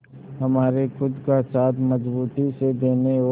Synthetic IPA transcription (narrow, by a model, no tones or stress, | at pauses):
hɐmaːɾexʊd̪kasaːt̪ʰmɐzbuːt̪ised̪eːneo